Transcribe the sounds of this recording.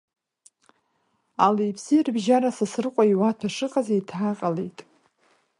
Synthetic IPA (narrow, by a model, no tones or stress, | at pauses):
alejpʰsirbʒaɾasasɨrqʷʼaiwatʰaʂɨqʼazaitʰaqʼalejtʼ